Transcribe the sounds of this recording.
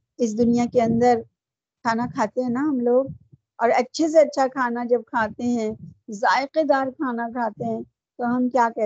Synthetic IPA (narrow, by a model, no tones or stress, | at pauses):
ɪs̬d̪ʊnijakeɐ̃nd̪əɾ | kʰaːnakʰaːt̪eɦɛ̃naɦɐmloːɡ̚ | ɔːɾɐtːʃʰes̬eɐtːʃʰakʰaːnad͡ʒɐb̚kʰaːt̪eɦɛ̃zaːɪqed̪aːɾkʰaːnakʰaːt̪eɦɛ̃ | t̪oɦɐmkjaːkɛɦ